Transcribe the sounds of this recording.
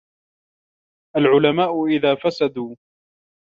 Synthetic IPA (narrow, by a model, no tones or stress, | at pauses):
ʔalʕʊlamaːʔʊʔɪðaːfasad̪uː